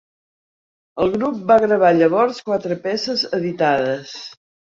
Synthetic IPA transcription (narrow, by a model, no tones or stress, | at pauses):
əlˠɣɾup̚baɣɾəβ̞aʎəβɔɾskwat̪ɾəpɛsəzəðit̪aðəs